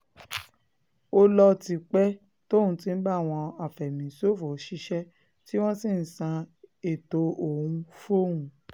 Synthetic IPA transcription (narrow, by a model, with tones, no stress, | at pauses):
o˧lɔ˧ti˨k͡pɛ˦ | to˦˨ũ˧tĩ˧n̩˦ɡ͡ba˦˨w̃ɔ̃˧a˨fɛ˨mĩ˨˦so˦˨fo˨˦ʃi˦ʃɛ˦ | ti˦w̃ɔ̃˦si˦˨n̩˨sã˧e˨to˧o˨ũ˧fo˦˨ũ˧